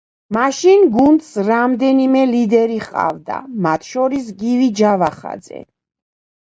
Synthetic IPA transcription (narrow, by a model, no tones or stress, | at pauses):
maʃinɡund̪sɾamd̪ɛnimɛlid̪ɛɾiχqʼa̰vd̪a̰mat̪ʰʃɔɾis̬ɡivid͡ʒavaχa̰d̪zɛ̰